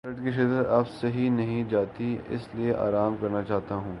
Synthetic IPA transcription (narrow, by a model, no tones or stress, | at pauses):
ɾəʈkiʃ̬ɪd̪ɾɐbsɐɦinɐɦĩd͡ʒaːt̪iɪ̰slieʔa̰ːɾaːmkɐɾnat͡ʃaːɦt̪aɦũː